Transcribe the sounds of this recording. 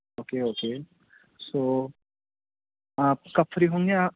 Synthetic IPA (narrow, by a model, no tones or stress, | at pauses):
oːkeoːkeː | soː | aːp̚kɐfʰɾiɦõːŋɡea